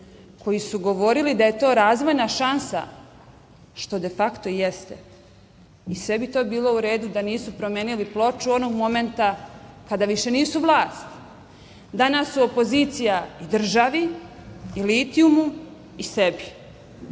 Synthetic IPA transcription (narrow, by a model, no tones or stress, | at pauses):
kʰo̞jisuɡo̞ʋo̞ɾilid̪aje̞t̪o̞ːɾaːzʋo̞jnaʃansa̰ | ʃt̪o̞d̪e̞fakt̪o̞jest̪e̞̰ | isʋe̞bit̪o̞ːbiːlˠo̞uɾe̞ːd̪ud̪aniːsupɾomeːniliplˠo̞t͡ʃuo̞no̞ɡmo̞me̞nt̪akad̪aʋiʃe̞niːsuʋlˠaːst̪ | d̪anasːuo̞po̞ziːt̪sijaid̪r̩ʒaʋi | iliːt̪iumu | isebi